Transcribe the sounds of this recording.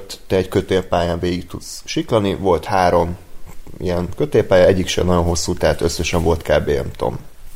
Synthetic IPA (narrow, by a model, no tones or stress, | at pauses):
t̪t̪ɛɛɟkøt̪eːpaːjaːɱveːɡik̚t̪ut̪sʃiklɒnivo̞lt̪haːɾo̞m | ḭjɛnkøt̪eːpaːjɒɛɟːikʃɛ̰nɒɟo̞nɦo̞sːuːt̪aːt̪øsːɛʃɛɱvo̞lt̪kaːbeːɛ̰mt̪o̰m